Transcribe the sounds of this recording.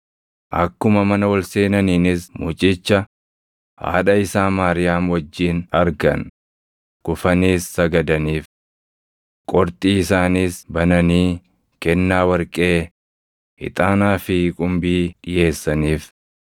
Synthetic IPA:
ʔɐ̰kːʊmɐmɐnɐwɐlse̞ːnɐniːnɪsmʊːt͡ʃʼɪt͡ʃːɐ | ha̰ːᶑɐɪsaːmaːɾɪjaːmwɐd͡ʒːiːnɐɾɡɐ̰n | ɡ̥ʊfɐniːsːɐɡɐd̪ɐniːf | kʼɔɾt̪ʼiːɪsaːniːsbɐnɐniː | kɛnːaːwɐɾkʼe̞ː | ɪ̰t̪ʼaːnaːfɪkʼʊmbiːᶑɪje̞ːsːɐniːf

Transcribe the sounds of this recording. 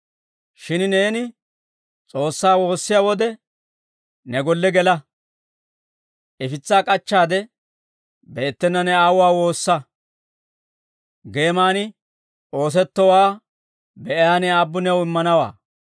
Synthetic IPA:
ʃɪnneːnɪ | t͡sʼo̞ːsːaːwo̞ːsːɪjaːwɔd̪ɛ | nɛɡɔlːɛɡɛlɐ | ɛfɪt͡sːaːkʼɐt͡ʃːaːd̪ɛ | beːt̪ːɛnːɐnɛaːwʊwaːwo̞ːsːɐ | ɡe̞ːmaːnɪ | o̞ːs̬ɛt̪ːɔwaː | bɛʔjaːnɛaːbːʊnɛwɪmːɐnɐwa̰ː

